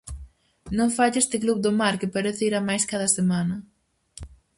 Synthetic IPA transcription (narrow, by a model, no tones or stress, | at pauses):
nõŋfaʎest̪ɪkluβ̚d̪ʊmaɾkɪpaɾeθeiɾamajskaðɐsemanɐ